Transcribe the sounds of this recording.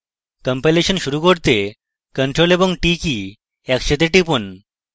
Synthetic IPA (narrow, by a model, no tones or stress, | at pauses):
kəmpeleɕənɕuɾukoɽt̪e | kəɳʈɾolebɔŋʈiki | ɛkɕet̪eʈipun